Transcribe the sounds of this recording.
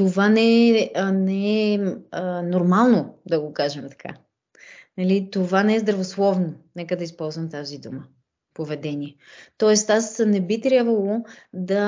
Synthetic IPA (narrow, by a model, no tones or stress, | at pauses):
t̪ovanɛənɛɛənoɾmalˠnod̪ɐɡokaʒɛmt̪ɐ̥kʰa̰ | nɐlit̪ovanɛɛzd̪ɾɐvoslˠɔvnonɛkəd̪ɐispɔlˠzvɐmt̪azid̪umə | povɛd̪ɛniɛ | t̪ɔɛst̪asnɛbit̪ɾʲabvəlˠod̪ɐ